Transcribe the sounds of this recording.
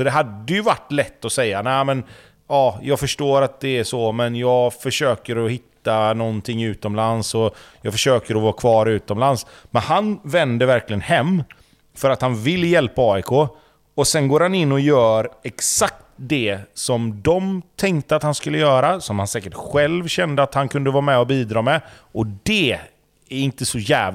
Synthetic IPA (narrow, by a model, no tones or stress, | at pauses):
sɔd̪ɛɦad̪ːəjɵvaʈːlɛt̪ːɔsɛjːanæɪmɛn | ɑːjɑːɡfœʂʈoːɾat̪̚d̪ɛæʂɔmɛnjɑːɡfœʂøːkəɾɔhɪt̪ːanɔnt̪ʰɪŋːʉ̟ːt̪ɔmlansɔjɑːɡfœʂøːkəɾɔvɑːkʰvɑːɾʉ̟ːt̪ɔmlansmɛnɦanvɛnd̪əvæɾklɪɡənhɛmː | fœɾat̪hanvɪlːjɛlpaɑːɪkʰoː | ɔsɛnɡoːɾhanɪnːɔjœːɾɛksakt̪d̪ɛsɔmd̪ɔmt̪ʰɛŋk̚t̪əat̪hanskɵlːəjœːɾasɔmhansɛːkəʈɧɛlvɕɛnd̪əat̪hankʰɵnd̪əvɑːmɛɔbiːd̪ɾɑːmɛ | ʔɔd̪ɛ | æɾɪnt̪əsɔjæːv